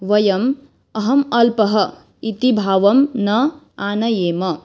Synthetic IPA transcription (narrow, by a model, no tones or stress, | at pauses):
ʋɐjɐm | ɐɦɐmɐlpɐɦɐ | it̪ibʱaːʋɐmnʌ | anɐjemɐ